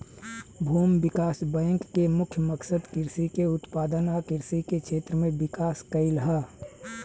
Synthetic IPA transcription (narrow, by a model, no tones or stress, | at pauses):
bʱuːmbɪkaːsbɛ̃ːŋkːemʊkʰjəməksəd̪kɪɾsikeʊt̪paːd̪ənaːkɪɾsikekʰʃʰeːt̪ɾəmẽbɪkaːskəɪlɦɛː